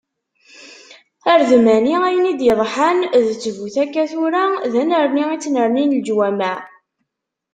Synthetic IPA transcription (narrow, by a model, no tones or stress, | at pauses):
æɾðəmæniæjənid̪jəðˤħanðət͡sːəvuθækːæθʊɾaðænəɾniit͡sːnəɾˤninld͡ʒwæmæ